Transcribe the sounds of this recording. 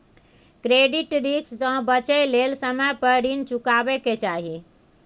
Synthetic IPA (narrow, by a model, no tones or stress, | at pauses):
kɾeɖiʈɾikssə̃bət͡ʃəjlelsəməjpəɽint͡ʃukabeket͡ʃaɦi